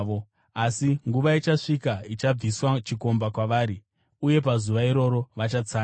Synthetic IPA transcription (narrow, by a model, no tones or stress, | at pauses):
o | asiŋɡuʋait͡ʃaʂikait͡ʃab͡viswat͡ʃiko̞mbakwaʋaːɾi | uje̞p̬azuʋaiɾo̞ɾo̞ʋat͡ʃat͡saː